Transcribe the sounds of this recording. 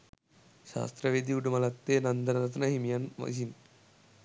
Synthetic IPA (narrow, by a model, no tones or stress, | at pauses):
ʃa̰ːst̪ɾɐʋeːd̪iuʈumɐlɐt̪ːeːnɐnd̪ɐnɐɾɐt̪ɐnɐɦimjɐnʋɐ̰sin